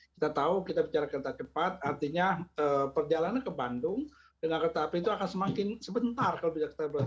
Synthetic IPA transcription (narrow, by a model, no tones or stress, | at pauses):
kit̪at̪aukit̪abit͡ʃaɾakərt̪at͡ʃəpat̪̚art̪iɲaəːpərd͡ʒalanakəbandʊŋ | dəŋakət̪apiːt̪uakansəmakɪnsəbənt̪arkalobisaki̥t̪abə